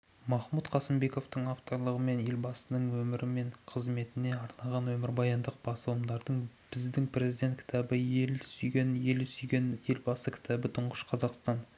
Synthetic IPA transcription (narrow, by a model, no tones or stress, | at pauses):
mɑχmut̪qʰɑsɪmbe̞ko̞ft̪əɴaft̪o̞ɾlˠəʁəme̞nje̞lbɑsənəɴwɵmɪɾʔɪme̞ɴqʰəzme̞t̪ɪne̞ɑɾnɑʁɑnwɵmɪɾbɑjɑnd̪əq̚b̥ɑsəwəmd̪ɑɾd̪əɴb̥ɪzd̪ɪŋprʲe̞zijd̪ʲe̞nt̪̚kʲʰɪ̥t̪ʰɑbəelsʏjɡʲenje̞lsʏjɡʲenje̞lbɑsəkʲʰɪ̥t̪æbɪt̪ʰʊɴʁəʃqʰɑzɑqst̪ɑn